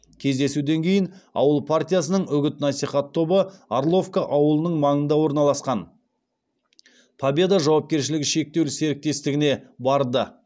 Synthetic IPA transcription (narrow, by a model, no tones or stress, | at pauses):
kʲʰe̞zd̪e̞sud̪e̞ŋkʲʰe̞jɪnɑ̰wəlˠpʰart̪ʲijas̬ənəɴʏɡʲɪt̪nɑsijχɑt̪ʰːo̞bəaɾlˠo̞fkaʔɑwəlˠənəɴmɑɴənd̪ɑwo̞ɾnɑlˠɑsqɑn | pʰɑbʲe̞d̪aʒɑwɑp̚kʲe̞ɾʃɪlɪɡʲɪʃe̞k̚t̪e̞wse̞ɾɪk̚t̪e̞st̪ɪɡʲɪne̞bɑɾd̪ə